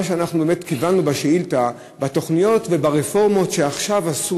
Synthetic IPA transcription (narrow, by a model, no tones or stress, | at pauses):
aʃeanaχnubeme̞t̪kivanːubaʃeilta | bato̞χnijo̞tve̞baʁefo̞ʁmo̞tʃeaχʃavasu